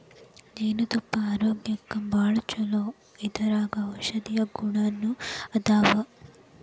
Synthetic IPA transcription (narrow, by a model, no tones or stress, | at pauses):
neːnut̪upːɐaːɾoːɡjɐkːɐmbaːɭut͡ʃɐloː | id̪ɐɾaːɡɐɔʃɐd̪ijɐɡuɳaːnːuɐd̪aːʋɐ